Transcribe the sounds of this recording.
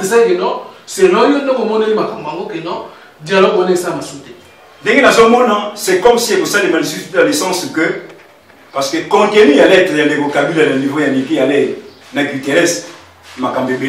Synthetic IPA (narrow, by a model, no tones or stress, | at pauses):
ezakenɔselɔjondɔkomɔnoimakambaŋɡokenɔ | dialɔɡoneezamasute | ndeŋɡenazomɔnasɛkɔmsiekosalemalsalesãsukø | paskekɔ̃kemijalɛtejanlekokabilananivojanikijale | naɡiteʁɛs | makambembe